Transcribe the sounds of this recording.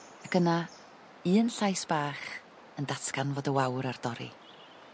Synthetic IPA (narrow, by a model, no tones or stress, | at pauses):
akəna | ɨːənɬajsb̥aːχ | əndatʰkanvoːdəwawɾard̥ɔɾḭ